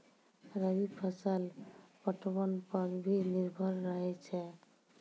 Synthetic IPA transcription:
ɾəbipʰəsalpəʈəbənpəɾbʱiniɾbʱəɾːəɦɛt͡ʃʰɛ

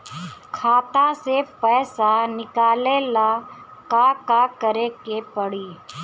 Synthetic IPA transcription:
kʰaːt̪asepɛːsanɪkaːleːlaːkakakəɾekepəɽiː

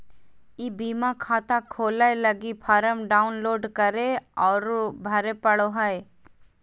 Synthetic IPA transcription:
ibiːmãkʰaːt̪ãkʰoːlaeləɡipʰaːɾəmɖaːʊnloːɖkəɾeɔːɾbʱɐɾepəɽoɦəe

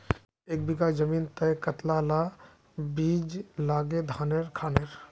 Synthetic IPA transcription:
eːk̚bikad͡ʒəmint̪əjkət̪lala | bid͡ʒlaɡed̪ʱaneɾkʰaːneɾ

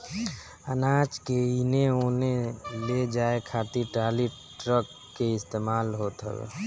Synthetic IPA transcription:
ənaːt͡ʃkeineoːneled͡ʒaːekʰaːt̪iʈaːli | ʈɾəkːeɪst̪eːmaːlɦoːt̪ɦɛ̰bḛ

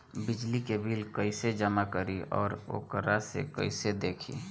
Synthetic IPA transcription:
bɪd͡ʒlikebʱiːlkəised͡ʒəmakəɾiɔ̰ːɾo̰ːkəɾasḛkə̰ɪsed̪eːkʰḭ

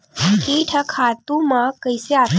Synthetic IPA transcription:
kiʈʰəkʰat̪umakəjseat̪

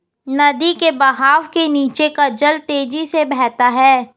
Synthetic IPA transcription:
nɐd̪ikebɐɦaːʋkeniːt͡ʃekad͡ʒəlt̪eːd͡ʒisebɛːt̪aɦɛː

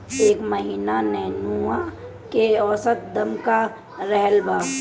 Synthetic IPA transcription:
eːkməɦiːnanɛɦnua | keɔːsət̪̚d̪əmka | ɾɛɦəlbaː

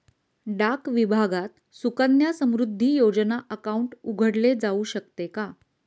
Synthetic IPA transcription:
ɖakʋibʱaɡat̪̚ | sukənjasəmɾud̪ʱːiːjod͡ʑnaʔəkauɳʈuɡʱəɽled͡zauɕək̚t̪eka

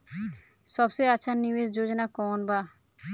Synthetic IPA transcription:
ʃɔbseat͡ɕʰanːimesd͡ʑod͡ʑonakɔnba

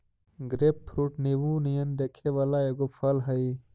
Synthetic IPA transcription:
ɡɾeppɾuʈniwũnijɐnd̪ɐkʰeʋɐlajeɡofʰɐlɦɐi

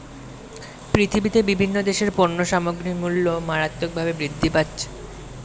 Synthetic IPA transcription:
pɾit̪ʰibit̪ebibʱinːod̪eʃeɾpoɾnoʃamoɡɾimulːomaɾat̪ːok̚bʱabebɾid̪ʱːipatːɕʰe̥

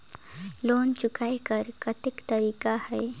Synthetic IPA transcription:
lont͡ɕukajkəɾkət̪ikt̪əɾiːkahəj

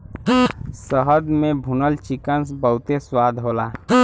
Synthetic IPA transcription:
səɦəd̪mẽbʱunəlt͡ʃɪkəns̬bəɦʊt̪eswaːd̪ʱɦoːlaː

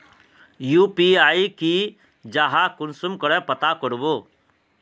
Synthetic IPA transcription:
juːpiaːiki | d͡ʒaːɦakʊnsumkəɽɛpɐt̪akəɽboː

